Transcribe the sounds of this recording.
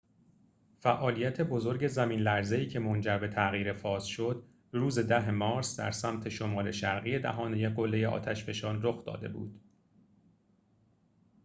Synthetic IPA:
fæʔɒːlijæt̪ʰe̞bo̞zo̞ɾɟe̞zæmiːnlæɾze̞iːcʰe̞mond͡ʒæɾbe̞t̪ʰæɣiːɾe̞fɒːsʃod̪ | ruːze̞d̪æɦe̞mɒːɾsd̪æ̰ɾsæmt̪ʰe̞ʃo̞mɒːle̞ʃæɾɣiːed̪æ̰ɦɒːnejeɡolːejeʔɒ̰ːt̪ʰæʃfe̞ʃɒːnroxd̪ɒ̰ːd̪e̞bṵːd̪̥

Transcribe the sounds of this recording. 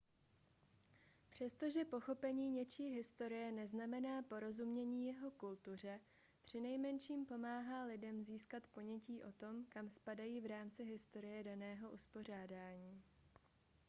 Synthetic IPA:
pr̥ɛst̪o̞ʒɛpo̞xo̞pɛɲiːɲɛt͡ʃiːɦɪst̪o̞ɾɪjɛnɛznamɛnaːpo̞ɾo̞zumɲɛɲiːjɛɦo̞kult̪ur̝ɛ | pr̥ɪnɛjmɛnʃiːmpo̞maːɦaːlɪdɛmziːskat̪po̞ɲɛciːʔo̞t̪o̞mkamspadajiːvɾaːmt͡sɪɦɪst̪o̞ɾɪjɛdanɛːɦo̞ʔuspo̞r̝aːdaːɲiː

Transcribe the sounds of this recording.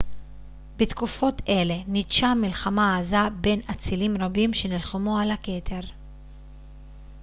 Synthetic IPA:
bet̪kufo̞tʰe̞le̞nidʃamilχamaːzabe̞nat͡silimʁabimʃe̞nilχumualake̞t̪ʰe̞ʁ

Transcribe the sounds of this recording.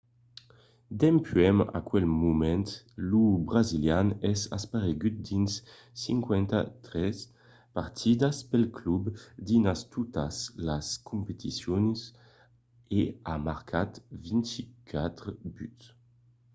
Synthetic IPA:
d̪ɛmpʰyɛma̰kwɛlmumɛnt̪ | lubʁaziljanɛsa̰spaʁeɡyt̪̚d̪insː | iŋkwɛnt̪a̰t̪ɾɛs | paɾt̪ʰid̪aspɛlklubd̪inast̪ut̪aslaskumpet̪isjɔns | eamaɾkʰat̪vint̪ikʰat̪ɾəbyt̪

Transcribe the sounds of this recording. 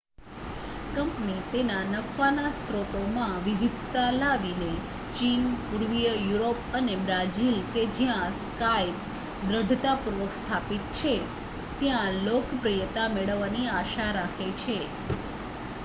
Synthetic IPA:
kəmpnit̪enanəfanast̪ɾot̪omãʋiʋid̪ʱt̪alaʋine | t͡ʃinpuɾʋijəjuɾopənebɾad͡ʒilked͡ʒjãskajp | d̪ɾəɖʱt̪apuɾʋəkst̪ʰapit̪̚t͡ʃʰe | t̪jãlokpɾijət̪ameɭəʋːaniaʃaɾakʰet͡ʃʰe

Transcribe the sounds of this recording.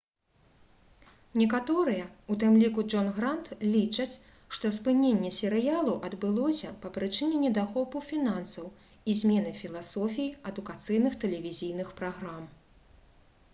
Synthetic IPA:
nʲɛkat̪ɔɾɨjɛut̪ɨmlʲikud͡ʐɔnɣɾant̪lʲit͡ʂɐt͡sʲ | ʂt̪ɔspɨnʲenʲːɛsʲɛɾɨjalˠuʔɐd̪bɨlˠɔsʲɐpɐpɾɨt͡ʂɨnʲɛnʲɛd̪axɔpufʲinansɐw | izʲmʲɛnɨfʲilˠasɔfʲijiɐd̪ukat̪sɨjnɨxt̪ɛlʲɛvʲizʲijnɨxpɾaɣɾam

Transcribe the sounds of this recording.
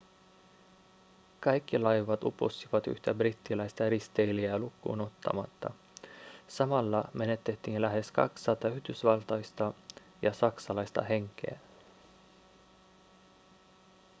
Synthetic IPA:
kɑjkːilɑjʋɑt̪upo̰sːiʋɑt̪y̰ht̪æbrit̪ːilæjst̪ɑɾist̪e̞jliælukːṵːno̞t̪ːɑ̰mɑt̪ːɑ̰ | sɑmɑlːɑme̞ne̞t̪ːe̞t̪ːiːnlæɦe̞skɑ̰ksɑːt̪ːɑyhd̪ysʋɑlt̪ɑjst̪ɑ | jɑsɑksɑlɑjst̪ɑ̰ɦe̞ŋke̞̰æ

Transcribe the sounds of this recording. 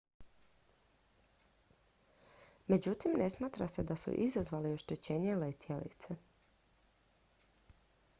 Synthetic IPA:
me̞d͡ʑut̪imne̞smaːt̪ɾase̞d̪asṵʔizazʋaːlioʃt̪et͡ɕeːɲelet̪ʰjelḭt̪se

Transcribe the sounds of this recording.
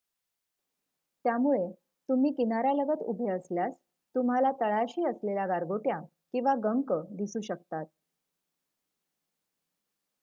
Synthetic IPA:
t̪jamuɭe | t̪um̤iːkinaɾjaləɡət̪ṵbʱeəsljas | t̪um̤alat̪əɭaɕiːəslelaɡaɾɡoʈja | kĩw̃ʋaɡəŋkəd̪isuːɕəkt̪at̪̚

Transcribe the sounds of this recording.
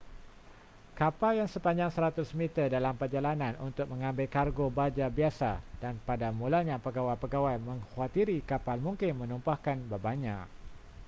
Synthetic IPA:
kapaljaŋsəpaɲd͡ʒaŋsəɾat̪ʊsmit̪ərdalampərd͡ʒalanãnunt̪ʊk̚mə̃ŋãmbɪlkarɡobad͡ʒabiasadanpadamulaɲãpəɡawajpəɡawajmə̃ŋhuat̪iɾikapalmuŋkɪnmə̃numpahkanbabaɲã

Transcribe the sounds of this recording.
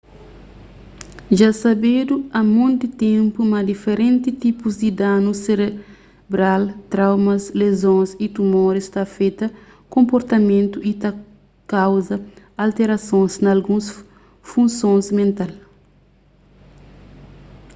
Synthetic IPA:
ʒasɐbed̪uɐmõnt̪dit̪ẽmpumɐd̪ifeɾẽnt̪it̪ipuzd̪id̪anuseɾe | bɾalt̪ɾawmɐslezõsit̪umoɾest̪afejt̪ɐ | kõmpoɾt̪ɐmẽnt̪uʔit̪a | kawzɐ | alt̪eɾɐsõnznɐlɡũs | fũnsõnzmẽnt̪al

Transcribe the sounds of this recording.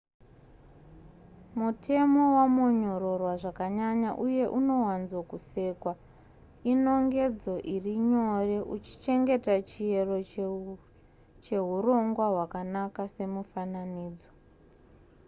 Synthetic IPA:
mutʰe̞mo̞wamo̞ɲo̞ro̞rwaʐakaɲaɲaʔuje̞ʔuno̞wanzwokuse̞ːkwa | ino̞ŋɡe̞d͡zo̞ʔiriɲo̞re̞ʔut͡ʃi̥t͡ʃe̞ŋɡe̞tat͡ʃije̞ro̞ | t͡ʃe̞ɦuro̞ŋɡwaɦwakanakase̞mufananiːd͡zo

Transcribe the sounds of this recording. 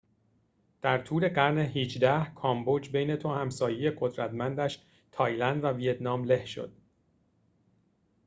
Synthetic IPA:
d̪̥æɾt̪ʰuːle̞ɢæɾne̞ɦiːd͡ʒd̪æhkʰɒːmbod͡ʒbe̞jne̞t̪ʰohæmsɒːjejeɢo̞d̪ɾæt̪mænd̪æʃ | t̪ʰɒːjlænd̪vævijet̪nɒːmle̞hʃo̞̰d̪̥̚

